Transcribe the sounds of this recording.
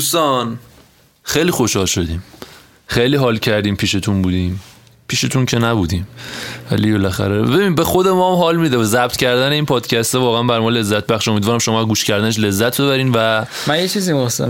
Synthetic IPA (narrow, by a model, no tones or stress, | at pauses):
d̪ust̪ɒn | xejliːxo̞ʃhɒːlʃo̞d̪iːm | xejliːɦɒːlcʰæɾd̪iːmpʰiːʃet̪ʰunbuːd̪iːm | pʰiːʃet̪ʰuncʰenæbuːd̪iːmvæ̰libelæxæ̰ɾebe̞binbe̞xo̞d̪emɒːmɦɒːlmid̪ebzæb̥t̪ʰcʰæɾd̪æne̞iːnpʰɒːd̪̥cʰæst̪evɒːɣeænbæɾmɒle̞zːæt̪̚bæχʃo̞mid̪vɒːɾæmʃomɒːæɡuːʃcʰæɾd̪æneʃ̬le̞zːæt̪ʰbe̞βæɾiːnvæ | mænjet͡ʃʰizimosḛm